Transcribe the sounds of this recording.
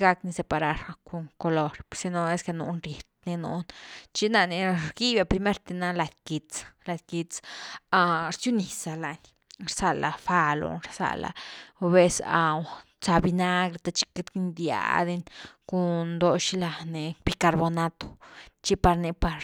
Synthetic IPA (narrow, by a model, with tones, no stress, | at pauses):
ɡa˧kni˧se˧pa˧ɾa˧ɾku˧ŋko˧lo˧ɾsi˧no˧e˦ske˧nṵ˧nɾje˨t̪̚ni˧nṵ˧˦nt͡ʃi˦na˧ni˧ɾɡi˦ba˧pɾi˧me˦ɾt̪e˧na˧la˧d̪ki˧t͡sla˧d̪ki˧t͡sa˧ɾt͡ʃju˦ni˨sa˨la˧n | ɾsa˨la˨fa˧lo̰˧ɾsa̰˧la̰˨˧be˧sa˧w | t͡sa˧bi˧na˦ɡɾe˧t̪a˧t͡ʃi̥˧ke˧˦t̪ki˦nd̪ja̰˧˦d̪e˧nku˧nd̪o˧ʃi˦la˧ne˧b̥i˧ka˧ɾbo˧na˦t̪o̥˨t͡ʃi˦pa˧ɾni˧pa˧ɾ